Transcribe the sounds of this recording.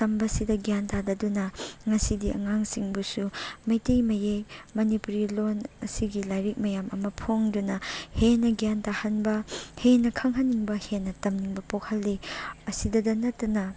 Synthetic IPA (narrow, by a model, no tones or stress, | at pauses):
tɐmbɐsidɐɡijantadɐdunɐŋɐsidiʔɐ̰ŋaŋsiŋbusumɐjtejmɐjejmɐnipuɾilonɐsiɡilajɾik̚mɐjamʔɐmɐpʰoŋdunɐhenːɐɡijantahɐnbɐhenːɐkʰɐŋɦɐnːiŋbɐhenːɐtɐmniŋbɐpokʰɐlːiɐsidɐdɐnɐtːɐnɐ